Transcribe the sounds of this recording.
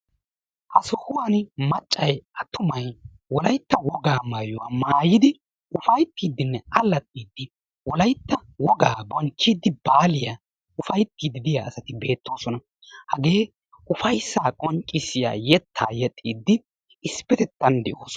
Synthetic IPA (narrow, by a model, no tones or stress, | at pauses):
ʔɐsɔhʊwanmɐt͡ʃʼːɐjʔɐt̪ːʊmɐj | wɔlɐjt̪ːɐwɔɡaːmaːjʊwamaːjɪd̪ɪ | ʊfɐjt̪ːiːd̪ːɪnːɛʔɐlːɐt̪ʼːiːd̪ːɪ | wɔlɐjt̪ːɐwɔɡaːbɔnt͡ʃːid̪ːɪbaːlɪja | ʊfɐjt̪ːiːd̪ɪd̪ɪjaɐsɐt̪ɪbe̞ːt̪ːo̞ːsɔnɐ | hɐɡe̞ː | ʊfɐjsːaːkʼɔŋt͡ʃʼːɪsɪja̰ːjɛt̪ʰːa̰ːjɛt̪ʼːiːd̪ːɪ | ɪspɛt̪ɛt̪ːɐnd̪ɛʔoːsɔ